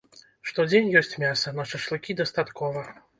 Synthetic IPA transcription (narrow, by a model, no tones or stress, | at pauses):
ʂt̪ɔd͡zʲenʲjɔsʲt͡sʲmʲasɐnaʂɨʂlˠɨkʲid̪ɐst̪at̪kɔvɐ